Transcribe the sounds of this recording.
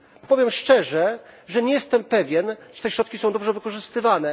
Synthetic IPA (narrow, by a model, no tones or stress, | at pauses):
pɔvʲjɛmʂt͡ʂɛʐɛʐɛɲɛjɛst̪ɛmpɛvʲjɛnʐɛ̥t̪ɛɕɾɔt̪kʲisɔ̃w̃d̪ɔbʐɛvɘkɔʐɘst̪ɘvanɛ